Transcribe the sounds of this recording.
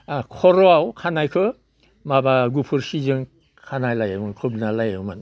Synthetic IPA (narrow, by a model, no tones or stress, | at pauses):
kʰɔɾɔawkʰanajkʰɯ | mabaɡupʰɯɾsizɯŋ | kʰanajlajamɯŋkʰɯbnalajɯwman